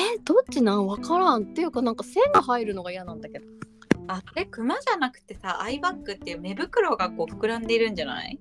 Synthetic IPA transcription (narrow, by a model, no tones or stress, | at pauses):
ed̪̥o̞t͡ɕinãɰ̃βakaɾãnt̪ːe̞jɯ̟kanãŋkase̞ŋɡaɦaiɾɯ̟no̞ɡaijanãnd̪ake̞d̪oasoɾekɯ̟maʑanakɯ̟̥t̪e̞saʔaibakːɯ̟t̪ːe̞jɯ̟me̞bɯ̟kɯ̟ɾo̞ɡako̞ːɸɯ̥kɯ̟ɾãnd̪e̞iɾɯ̟̃ɲd͡ʑana̰i